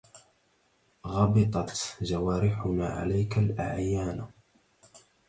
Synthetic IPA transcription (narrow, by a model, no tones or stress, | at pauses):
ɣɑbɨt̪ˤɑt̪ʒawaːɾɪħʊnaːʕa̰lajkalʔa̰ʕjaːn